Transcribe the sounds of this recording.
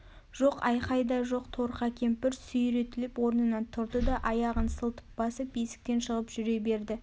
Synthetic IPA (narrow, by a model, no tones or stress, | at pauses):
ʒ̥oqɑjqɑjd̪ɑʒo̞qt̪ʰo̞ɾqɑkʲʰe̞mpɪɾsʏjɾe̞t̪ɪlɪpwo̞ɾnənɑnt̪ʰʊɾd̪əd̪ɑʔɑjɑʁənsəlˠt̪ə̥p̚b̥ɑsəp̚besɪ̥k̚t̪e̞nʃəʁəpʒ̥ʏɾe̞be̞ɾd̪ɪ